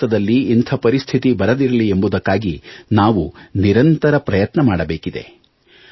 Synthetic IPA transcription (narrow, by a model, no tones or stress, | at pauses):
ɐd̪ɐlːiːnt̪ʰɐpɐɾist̪ʰit̪ibɐɾɐd̪iɾɐliembud̪ɐkːaːɡinaːʋuniɾɐnt̪ɐɾɐpɾɐjɐt̪nɐmaːɽɐbeːkid̪e̞̰